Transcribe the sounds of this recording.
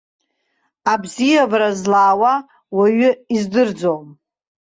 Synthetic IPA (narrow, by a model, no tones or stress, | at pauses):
abzijavɾazlaːwa | waɥʏizdɨrd͡zom